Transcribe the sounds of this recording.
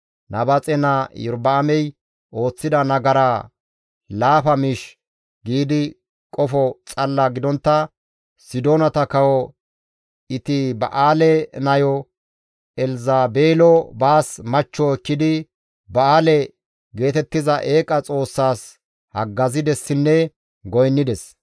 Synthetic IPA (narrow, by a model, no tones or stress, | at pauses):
nʔɐbɐt͡sʼɛnɐjʊ̰ɾbɐːmɛj | ʔo̞ːt͡sːɪd̪ɐnɐɡɐɾa | laːpɐmɪʃ | ɡiːd̪ɪ | kʼɔfɔt͡sʼɐlːaɡɪd̪ɔnt̪ːɐ | sɪd̪oːnɐt̪ɐkɐwɔ | ɪt̪ɪbɐ̰ʔaːlɛnɐjɔ | ɛlzaːbeːlɔbaːsmɐt͡ʃːɔɛkːɪd̪ɪ | bɐaːlɛ | ɡe̞ːt̪ɛt̪ːɪzɐʔe̞ːkʼɐt͡sʼo̞ːsːaːs | hɐ̰ɡːɐzɪd̪ɛsːɪnːɛ | ɡɔjnːɪd̪ɛs